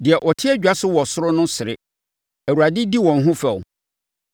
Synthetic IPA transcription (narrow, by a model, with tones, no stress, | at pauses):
dɪ˨ɛ˨ʔɔ˨tʰɪ˦ɛ˦d͡ʑᶣa˦sʊ˦wɔ˨sʊ˦ɾʊ˦nʊ̃˦sɪ˨ɾɪ̰˦ | æ˨wu˨ɾa˨dɪ˦di˦wɔ̃˨n˦ɦʊ̃˦fɛ˨ʊ̰˨